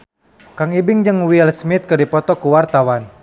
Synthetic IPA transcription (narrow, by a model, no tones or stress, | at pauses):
kaŋibɪŋd͡ʒəŋwilsmɪt̪̚kərdipɔt̪ɔkuwart̪awan